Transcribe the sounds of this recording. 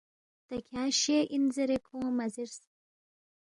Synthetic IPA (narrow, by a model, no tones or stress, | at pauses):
t̪ɐkʲʰaːʃeʔinzeɾekʰõːmɐziɾs